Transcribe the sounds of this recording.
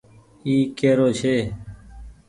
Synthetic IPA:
iːkeːɾoːt͡ʃʰeː

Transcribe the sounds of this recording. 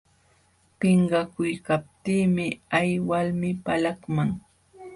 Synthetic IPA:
pɪɴɢɑkʊjkap̚t̪iːmɪajwalmɪpalakmaŋ

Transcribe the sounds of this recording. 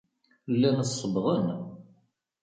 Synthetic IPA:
lːænsˤːəbʁən

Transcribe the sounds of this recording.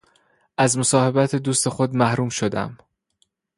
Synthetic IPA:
ʔæzmo̞sɒːhe̞bæt̪ʰed̪uːst̪e̞xo̞d̪mæhɾuːmʃo̞d̪æ̰m

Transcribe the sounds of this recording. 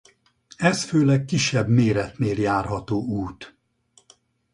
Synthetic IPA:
ɛsføːlɛkkːiʃːɛbmeːɾɛt̪neːljaːrɦɒt̪oːuːt̪

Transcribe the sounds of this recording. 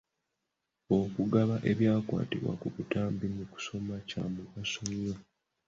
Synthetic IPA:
o̞kuɡaβaʔe̞βjaːkwa̰ːtḭβwa̰kuβutaːmbinuku̥so̞maca̰ːmuasoɲːa

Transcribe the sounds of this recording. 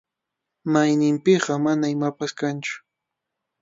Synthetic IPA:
majnɪmpɪɢɑmanaɪmapaskant͡ʃʊ̥

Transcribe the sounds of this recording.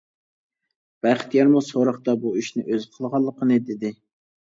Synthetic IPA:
b̥æχɪ̥t̪jɛɾmusoɾəχt̪ɑbuyʃnɪʔøzqʰəlˠʁɑlˠːəqʰənɨd̪ɪd̪ɪ

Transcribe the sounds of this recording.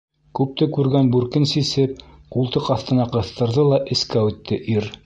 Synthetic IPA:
kʉp̚t̪ɘkʉɾɡænbʉɾkɘnsisɘp̚ | qulˠt̪ɤqɑθt̪ɤ̆nɑqɤ̆θt̪ɤ̆ɾðɤlˠɑʔɘ̆skæʉt̪ːɘʔiɾ

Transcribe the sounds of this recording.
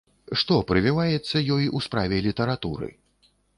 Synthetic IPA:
ʂt̪ɔpɾɨvʲivajɛt̪sːɐjɔjuspɾavʲɛlʲit̪ɐɾat̪uɾɨ̰

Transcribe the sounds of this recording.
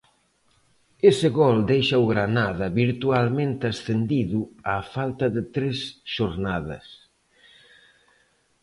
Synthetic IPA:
esɪɣɔld̪ejʃauɣɾanaðɐβiɾt̪ualmẽnt̪asθend̪iðuafalt̪ɐðɪt̪ɾesʃoɾnaðɐ̰s

